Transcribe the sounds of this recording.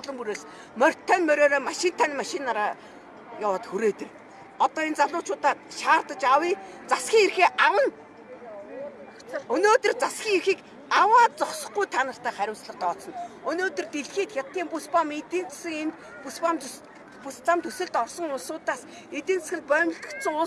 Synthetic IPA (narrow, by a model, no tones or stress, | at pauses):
ɮə̆mpuɾeːs | mœr̥ʲt̪ʰːœnmœɾʲoːɾoːmaʃɪ̆n̥t̪ʰanmaʃɪnaɾaː | jawăːt̪xuɾeːt̪ɘ̆r | ɔt̪ɔːent͡saɮʊːt͡ɕʰʊːt̪aːt̪ʃaːrt̪ə̆t͡ɕawiːt͡sasxʲiːŋerxeːʔawə̆n | ɵnoːt̪ɵ̆rt͡sasxʲiːŋerxiːk | awaːt̪t͡sɔχsɞ̆χɡujt̪ʰanə̆r̥t̪ʰæːχæɾʲʊ̆ːwsɮə̆χt̪ɔːsɞ̆nɵnoːt̪ɵ̆rt̪eɮxiːt̪xʲat̪ːiːmpuspamet̪iːnt͡ssɘ̆ŋent̪ | puspam | pust͡samt̪ʰɵsɘ̆ɮt̪ɔrsɞ̆ŋʊɮsʊːt̪aːs | et̪ĭːnt͡ssxʲɪ̆ɮt̪̚pœːmə̆ɬt̪ə̥̆kt̪sə̆ŋʊ